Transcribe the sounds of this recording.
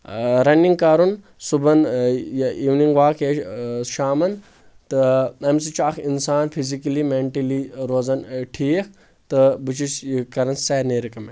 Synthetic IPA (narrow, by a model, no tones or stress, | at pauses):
ɾɐniŋɡkɐɾun | subɐnjiwniŋɡʋaːkeʃaːmɐn | t̪ɨɐms̬it͡ʃakʰinsaːnfʰizikɐlimeɳʈɐliɾoːzɐnʈʰiːk̚ʰ | t̪ɨbɨt͡ʃiskɐɾɐnsɐɾneːɾɐkɐme